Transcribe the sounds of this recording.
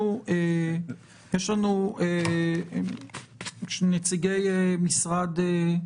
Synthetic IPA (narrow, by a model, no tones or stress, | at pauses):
ue | jeʃlanue | ʃnet͡siɡejemisʁad̪e